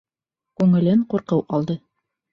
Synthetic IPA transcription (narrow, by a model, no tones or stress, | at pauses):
kʉŋɘ̆lɘɴquɾqɤwʔɑlˠd̪ɤ